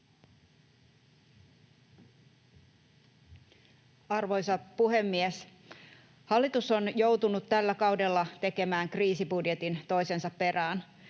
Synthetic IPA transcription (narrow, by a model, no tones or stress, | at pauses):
ɑrʋo̞jsɑpuɦe̞mːies | hɑlːit̪usonjo̞wt̪unut̪t̪ælːækɑwde̞lːɑt̪e̞ke̞mæːŋkriːsibudje̞t̪int̪o̞jse̞nsɑppe̞ræːn